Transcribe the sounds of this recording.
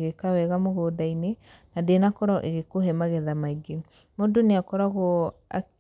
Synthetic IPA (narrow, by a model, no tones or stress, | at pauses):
ɣekawɛɣamoɣoːdaine | nadenakɔɾɔʔeɣekoɦɛmaɣɛðamaiɡe | modoneakɔɾaɣɔa̰